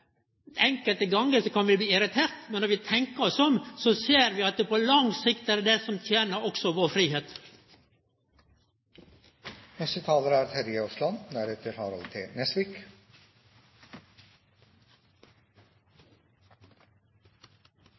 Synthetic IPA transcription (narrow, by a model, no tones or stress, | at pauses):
ɛŋkəlt̪əɡɑŋəsɔkɑnʋɪbliːɪɾɪt̪ʰeːɾt̪mɛnːɔɾʋɪt̪ʰɛŋkəɔsɔmsɔseːɾʋɪːɑt̪̚d̪epʰolɑŋsɪkt̪ɛːɖ̪ed̪ɛsɔmt̪ʰjeːnəɾɔksɔʋoːɾfɾiːheːt̪ | nɛst̪ət̪ʰɑːləɾæːɾt̪ʰɛɾɪəɔslɑnnæɾet̪ʰɪɾhɑːɾɑlt̪ʰɪnɛsʋɪk